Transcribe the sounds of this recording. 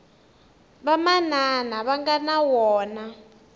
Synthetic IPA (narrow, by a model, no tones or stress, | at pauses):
βamananaβaŋɡanawɔːna